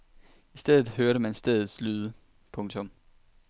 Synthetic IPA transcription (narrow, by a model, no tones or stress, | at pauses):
isd̥eð̰ˠð̩ˠɦøɐɾəmænsd̥eð̞ˠð̩ˠslyːðˠə | pʰɔ̽ŋt͡sʰɔ̽m